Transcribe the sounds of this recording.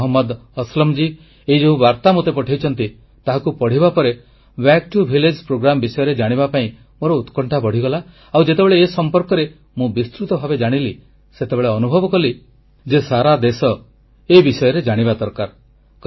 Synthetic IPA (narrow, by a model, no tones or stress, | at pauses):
ɦɔmːɔd̪ɔslɔmd͡ʒi | eid͡ʒɔɦũbaɾt̪amot̪epɔʈʰajt͡ʃʰɔnt̪i | t̪aɦakupɔɽ̤ibapɔɾe | bɛk̚ʈubʱiled͡ʒpɾoɡɾamɔbisɔjɔɾed͡ʒaɽ̃iβapaĩ | moɾɔut̪kɔɳʈʰapɔɽ̤iɡɔla | awd͡ʒet̪ebeɭeːsɔmpɔɾkɔɾe | mũbist̪ɾut̪ɔbʱabed͡ʒaɽ̃ili | set̪ebeɭeɔnubʱɔbɔkɔli | d͡ʒesaɾad̪esɔ | ebisɔjɔɾed͡ʒaɽ̃ibad̪ɔɾkaɾ | k